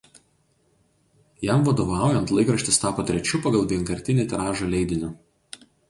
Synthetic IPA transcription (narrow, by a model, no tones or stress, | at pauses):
jæmʋɐd̪oʋɑˑʊjɛnt̪lˠɐɪkɾɐʃʲt̪ʲɪst̪ɑːpoːt̪ʲɾʲɛt͡ʃʲʊpɐɡɐlˠʋʲiɛnkɐɾʲt̪ʲɪnʲet̪ʲɛɾɑːʒoːlʲɛɪd̪ʲɪnʲʊ